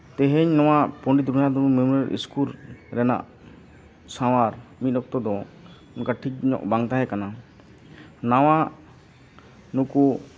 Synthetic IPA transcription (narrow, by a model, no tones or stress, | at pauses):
t̪ɛɦɛɲnɔw̃apɔ̃ɳɖid̪ɾunad̪ɔumɛmuɾɛɾʔḭskuɾɾɛna̰ʔ | sawaɾmit̪̚ˀɔk̚t̪ɔd̪ɔ | unkaʈʰik̚ɲɔ̰ʔ̚baŋt̪aɦɛkana | nawa | nuku